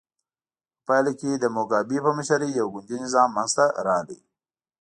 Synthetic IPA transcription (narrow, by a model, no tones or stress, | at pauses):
pajleked̪əmoɡɑːbipəməʃaɾijawɡʊnd̪inɪzɑːmːanzt̪aɾɑːd̪ḭ